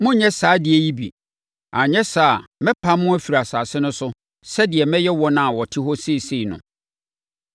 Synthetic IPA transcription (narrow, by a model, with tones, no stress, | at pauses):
mʊ̃˦ɲɛ̃˦saː˨˦dɪ˨ɛ˨ji˦bḭ˨ | a˨ɲɛ̃˦sa˨mɛ̃˦pʰa˦mʊ̃˦æ˦fi˨ɾa˨saː˨sɪ˦nʊ̃˦sʊ˦ | sɛ˦dɪ˨ɛ˨mɛ̃˦jɛ˦wɔ˦nã˨wɔ˨tʰɪ˦ɦɔ˦se˦˨se˦i˨nʊ̰̃˨